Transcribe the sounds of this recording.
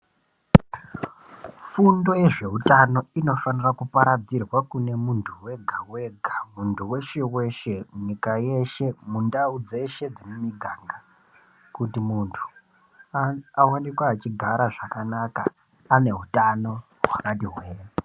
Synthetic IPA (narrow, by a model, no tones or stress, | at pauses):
fundo̞e̞ʐe̞ɦutano̞ino̞fanirakupaɾad͡zirwakune̞muntʰuwe̞ɡʱawe̞ɡʱamuntʰuwe̞ʃe̞we̞ʃe̞ɲikaje̞ʃe̞mundaud͡ze̞ʃe̞d͡zimumiɡʱaŋɡa | kutimuntʰu̥ | awanikwaːt͡ʃiɡʱaɾaʐakanaka̰ː | ne̞ɦutano̞ | ɦwakatiɦwe̞ːr